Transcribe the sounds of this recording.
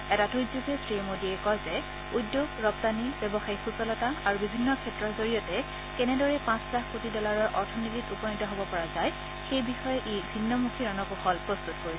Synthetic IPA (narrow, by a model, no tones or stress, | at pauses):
ɛtatujzuɡesʰɹimodiɛkɔzɛ | udːjoɡɹɔp̚tanibɛbɔxaixusɔlɔtaaɹubibʱinːɔkʰɛtɹɔɹzoɹijɔtɛ | kɛnɛdɔɹɛpãslaxkotidɔlaɹɔɹʔɔɹtʰɔnititupɔnitɔɦɔbɔpɔɹazaj | xejbixɔjɛʔibʱinːɔmukʰiɹanɔkuxɔlpɹɔst̪utkoɹisɛ